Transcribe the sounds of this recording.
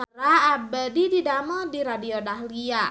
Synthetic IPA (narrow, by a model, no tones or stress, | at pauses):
aɾaːbadididamɔdiɾadiodaɦlia